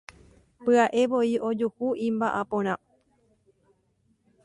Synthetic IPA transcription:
pɨaʔe̞ʋo̞io̞d͡ʒuhuĩmbaʔapõɾ̃ã

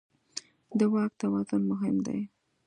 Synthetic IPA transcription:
d̪əwɑk̚t̪awɑt̪ʊlmʊɦɪmd̪a̰j

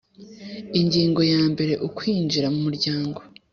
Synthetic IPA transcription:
iɲɟiːŋɡo̞jaːmbe̞ɾe̞ʔukwiːnd͡ʒiɾamumuɾɟaːŋɡo̞

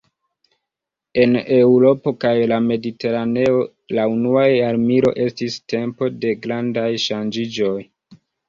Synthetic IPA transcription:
e̞ne̞uɾo̞po̞kajlame̞dite̞ɾane̞o̞ | launuaaɾmiɾo̞̰ʔe̞stiste̞mpo̞de̞ɡɾandajʃand͡ʒid͡ʒo̞j

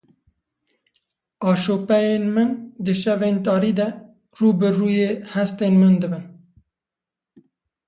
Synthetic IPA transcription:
ɑːʃoːpɛjeːnmɨnd̪ɨʃɛveːnt̪ɑːɾiːd̪ɛ | ruːbɨruːjeːhɛst̪eːnmɨnd̪ɨbɨn

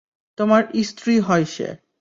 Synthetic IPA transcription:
t̪omaɾist̪ɾiɦɔjʃḛ

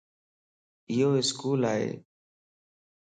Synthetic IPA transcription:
ɪɦoːɪskuːlaːɦḛː

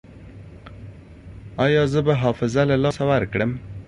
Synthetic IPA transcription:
ɑjɑzəbaɦɑfɪzalalɑsawaɾkɽəm

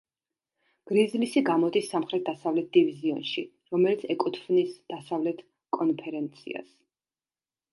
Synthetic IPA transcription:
ɡ̥ɾizlisiɡamɔd̪isːamχɾɛt̪̚ʰd̪asavlɛt̪̚d̪̥iviziɔ̰nʃi | ɾɔmɛlit̪sʰɛkʼɔt̪ʰfnisd̪̥asavlɛt̪ʰ | kʼɔnpʰɛɾɛnt̪sʰḭa̰s

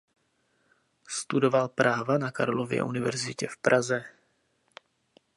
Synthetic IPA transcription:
st̪udo̞valpɾʔaːvanakaɾlovjɛ̰ʔunɪvɛ̰ɾzɪcɛfpɾʔazɛ

